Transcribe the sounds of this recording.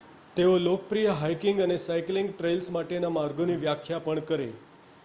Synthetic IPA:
t̪eolokəpɾijəɦajkiŋɡənesajkliŋɡʈɾejlsmaʈenamaɾɡoniʋjakʰjapəɳkəɾḛ

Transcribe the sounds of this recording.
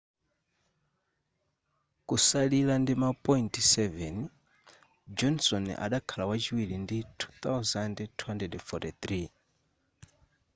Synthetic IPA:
kusalilandimapʼɔintsɛvɛn | d͡ʒɔnsɔnʔa̰ɗakʰalawat͡ʃʰiwiɺinditʰu̥θawzandtʰuɦandrɛdfɔtiθɾi

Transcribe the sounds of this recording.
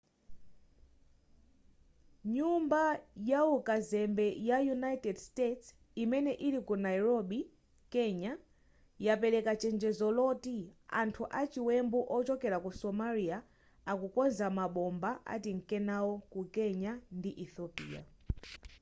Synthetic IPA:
ɲumbajaukazɛmbɛjajunajtɛdstets | imɛnɛʔiɾikunajiɾɔɓi | kɛɲa | japɛɾɛkat͡ʃɛnd͡ʒɛzɔlɔtiantʰuʔat͡ʃiwɛmbuʔɔt͡ʃɔkɛɾakusɔmaɾia | akukɔnzamaɓɔmbaʔa̰tiŋ̩kɛnawɔkukɛɲandiʔiθɔpḭːa̰

